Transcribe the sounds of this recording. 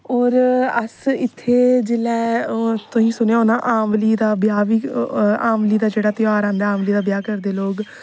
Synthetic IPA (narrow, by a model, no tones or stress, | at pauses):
ɔːɾəsɪt̪ʰːeːd͡ʒɪlɛːt̪ʊĩːsʊneaɦoːnãːʔãːmliːd̪aːbɪjaːʋiːãːmliːd̪aːd͡ʒeːɽaːt̪ɪjaːɾãːnd̪aːaːmliːd̪aːbjaːkəɾd̪eːloːɡ